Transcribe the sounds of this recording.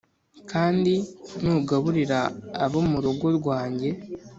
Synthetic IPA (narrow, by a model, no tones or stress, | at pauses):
kʰaːndinuɡaβuɾiɾaːβomuɾuɡoɾɡwaːɲɟe̞